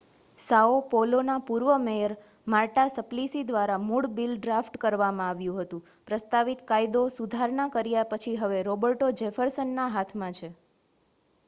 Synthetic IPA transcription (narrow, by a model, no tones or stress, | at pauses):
saopolonapuɾʋəmejəɾ | maɾʈasəplisid̪ʋaɾamuɽbilɖɾafʈkəɾʋamãaʋjũɦət̪ũ | pɾəst̪aʋit̪kajd̪osud̪ʱaɾɳakəɾjapət͡ʃʰiɦəʋeɾobəɾʈod͡ʒɛfəɾsənːaɦat̪ʰmãt͡ʃʰe